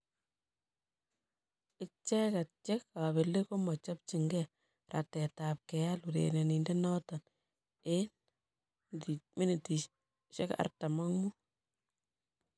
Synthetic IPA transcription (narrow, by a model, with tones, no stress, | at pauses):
ɪ˦t͡ʃɛ˦ka˨t̚t͡ʃe˦ka˨βe˨lːe˦ko˦mɔ˨t͡ʃɔ˦p̚t͡ʃi˨ŋɡɛ˦ | ra̰˨tɛ˨ta˨p̚kɛ˨ja˦lu˨ɾḛne˨ni˨nde˦nɔ˦ta˨n | e˦n | mɪ˦nɪ˨ti˨ | ʃḛ˦ka̰˨rta˨ma˦ŋmu˦